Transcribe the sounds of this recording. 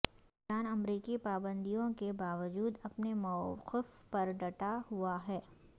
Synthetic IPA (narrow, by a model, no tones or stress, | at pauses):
aːnɐmɾiːkipaːbə̃nd̪ijõkebaːʋəd͡ʒuːd̪ɐpnemɔːqɪfpɐɾɖɐʈaɦuaɦɛː